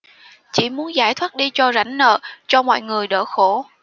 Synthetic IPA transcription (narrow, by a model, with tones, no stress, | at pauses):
t͡ɕḭ˧˩mu˨˦ənzaː˧˩jt̪ʰwaː˦˥t̚ɗi˧t͡ɕɔ˧za˧˩jŋ̟nə̰ː˧˨t͡ɕɔ˧mɔ̰˧˨jŋɨ˨˩əjɗə̰ː˧˩xo˧˩